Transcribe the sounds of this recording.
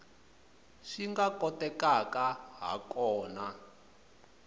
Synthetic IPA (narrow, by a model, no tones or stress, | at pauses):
ʂiŋɡakɔtɛkakaɦa̰kɔːna